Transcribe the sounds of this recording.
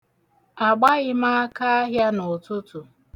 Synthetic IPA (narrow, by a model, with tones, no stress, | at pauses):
a˨ɡ͡ba˦ɣɪ˦ma˦ka˦a˦ɦja˦nʊ˨tʊ˦tu˨